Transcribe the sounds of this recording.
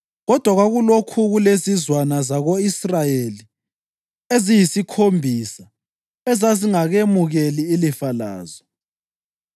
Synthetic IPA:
ɣɔd̥ʱwaɣwaɣulokʰuɣulezizwanazaɣoisrajeli | ezijisikʰombʱisa | ɛzaziŋaɣemuɣeliːlifala̰ːzɔ

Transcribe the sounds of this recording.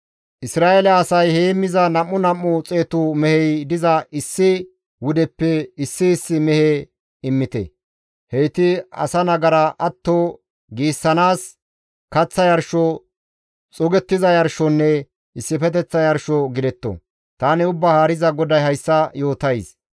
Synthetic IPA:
ʔɪsɾaːʔelɛɐsɐjheːmːɪzɐnɐmːʊnɐmːʊt͡sʼe̞ːt̪ʊmɛhɛjd̪ɪzɐʔɪsːɪ | wʊd̪ɛpːɛɪsːɪːsːɪmɛhɛ | ɪmːɪt̪ɛ̰ | hejt̪ɪɐ̰sɐnɐɡɐɾɐʔɐt̪ːo | ɡiːsːɐnaːs | kɐt͡sːɐjɐɾʃɔ | t͡sʼɔɡɛt̪ːɪzɐjɐɾʃɔnːɛ | ɪsːɪfɛt̪̬ɛt͡sːɐjɐɾʃɔɡɪd̪ɛt̪ːɔ̰ | t̪aːnɪʊbːahaːɾɪzɐɡɔd̪ɐjhɐjsːɐjo̞ːt̪ɐjs

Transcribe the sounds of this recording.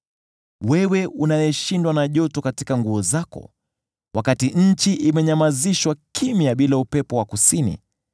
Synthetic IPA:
wɛwɛunajɛʃindwanaʄɔtɔkatikaŋɡuɔzakɔ̰ | wʔakatiɲ̩t͡ʃiʔimɛɲamaziʃwakʰimjaɓilaupɛpɔwakusinḭ

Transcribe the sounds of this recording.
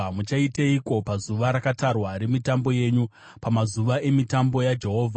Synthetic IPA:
mut͡ʃaiteiko̞pazuʋaɾakatarwaɾemitambo̞je̞ːɲu | pamazuʋaʔe̞mitambo̞jad͡ʒe̞ɦo̞ːvʱa

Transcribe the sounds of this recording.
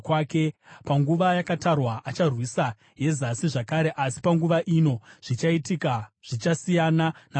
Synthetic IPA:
kwaːke̞paŋɡuʋajakatarwaʔat͡ʃarwisa | je̞zasiʐakaɾe̞ʔasi̥paŋɡuʋaʔino̞ʐ̥it͡ʃaitikaʐ̥it͡ʃasijanana

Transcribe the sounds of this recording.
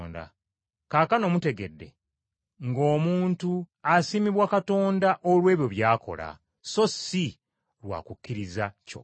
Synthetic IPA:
nda̰ | kaːkano̞mute̞ɡe̞dːe̞̰ | ŋɡo̞ːmuːntuasimiβwakato̞ːndaʔolwe̞ːβjo̞βjaːko̞̰la̰ | so̞si | ɾwa̰ːkukːiɾizaco̰

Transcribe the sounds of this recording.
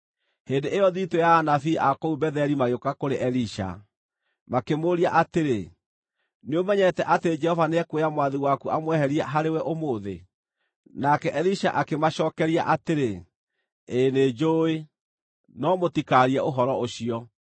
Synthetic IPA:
hendeʔejɔðitojaːnafiʔakoubɛðɛɾimaɣeokakoɾeʔɛɾiʃa̰ | makemoɾiaʔateɾe | neomɛɲɛtɛʔateed͡ʒɛhɔvaneɛkwejamwaðiwakuamwɛhɛɾiɛɦaɾewɛʔomoːðḛ | nakɛʔɛɾiʃa̰ʔakemaɕɔːkɛɾiaʔateɾe | ened͡ʒoe | nɔmotikaɾiɛʔoɦɔɾɔoɕiɔ

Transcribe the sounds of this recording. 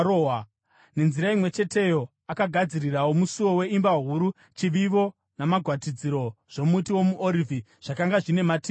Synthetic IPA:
oa | ne̞nziɾaimwe̞t͡ʃe̞tʰe̞jo̞ | akaɡʱad͡zirirawo̞musuwo̞we̞imbaɦuɾu | t͡ʃiʋiʋo̞ | namaɡʱwatid͡ziɾo̞ʐ̥o̞mutiwo̞muʔoɾivʱi | ʐ̥akaŋɡaʐine̞mati

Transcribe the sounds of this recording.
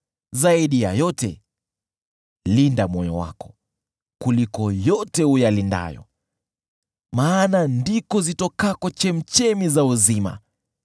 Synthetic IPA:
zaiɗijajɔtɛ | lindamɔjɔ̰wa̰kɔ̥ | kulikɔjɔtɛujalinda̰jɔ̰ | maːnandikɔzitɔkakɔt͡ʃɛm̩t͡ʃɛmizauzima̰

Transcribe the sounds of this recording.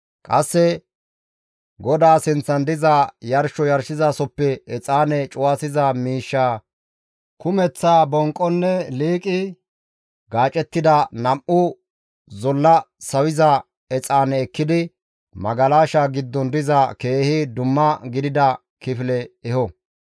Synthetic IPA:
kʼɐsːɛ | ɡɔd̪aːsɪnt͡sːɐnd̪ɪzɐjɐɾʃɔjɐɾʃɪzasɔpːɛɛt͡sʼaːnɛt͡ʃʼʊwaːsɪzɐmiːʃːaː | kʊmɛt͡sːaːbɔŋkʼːɔnːɛliːkʼɪ | ɡaːt͡ʃʼɛt̪ːɪd̪ɐnɐmʔʊ | zɔlːɐsɐwɪzɐ | ɛt͡sʼaːnɛːkːɪd̪ɪ | mɐɡɐlaːʃaɡɪd̪ːɔnd̪ɪzɐke̞ːhɪd̪ʊmːɐɡɪd̪ɪd̪ɐ | kɪflɛɛhɔ

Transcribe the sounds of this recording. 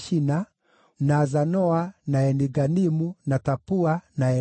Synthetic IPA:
ʃina | naːzanɔanaɛniɡanimunatapuanaɛ

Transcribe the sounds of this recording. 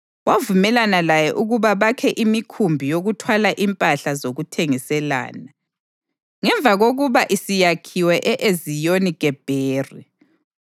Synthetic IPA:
wavumɛlanalajɛʔuɣuβaβakʰɛʔimikʰumbʱijoɣutʰwalaʔimpʼaɬazoɣutʰeŋisɛla̰ːna | ŋɛɱvʱaɣoɣuβaʔisijakʰiwɛʔɛʔezijoniɡʼɛb̥ʱeːri

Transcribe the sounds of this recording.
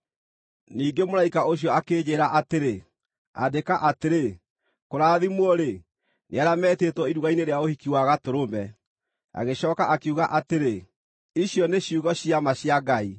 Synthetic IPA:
niːɡemoɾaikaoɕjɔakeːd͡ʑeːɾaʔateɾe | a̰dekaʔateɾe | koɾaːðimwɔɾe | neaɾamɛːteːtwɔiɾuɣaineɾeaohikiwaɣatoɾomɛ | a̰ɣeɕɔːkaʔakuɣaʔateɾe | iɕjɔneɕiuɣɔɕiamaɕiaɡai

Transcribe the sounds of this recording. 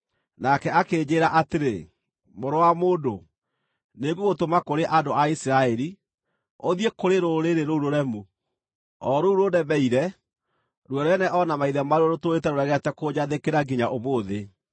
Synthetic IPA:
nakɛakeːd͡ʑeːɾaʔateɾe | moɾowamoːndo | neɡuɣotomakoɾeʔadoaisiɾaɛɾi | oðiekoɾeɾoɾeɾeɾouɾoɾɛmu | ɔɾouɾodɛbɛiɾɛ | ɾwɛɾɛnɛʔɔnamaiðɛmaɾɔɾotoetɛɾoɾɛɣɛtɛkod͡ʑaðekeɾaɡiɲaʔomoːðe

